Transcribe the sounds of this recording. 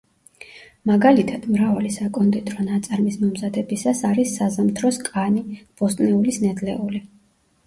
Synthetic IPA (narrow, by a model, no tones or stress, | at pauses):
maɡalit̪ʰad̪̥mɾavalisakʼɔnd̪ʼɛt̪ʼɾɔnat̪sʼaɾmismɔmzad̪ɛbisasaɾisːazamt̪ʰɾɔskʼanib̥ɔst̪ʼnɛulisnɛd̪lɛuli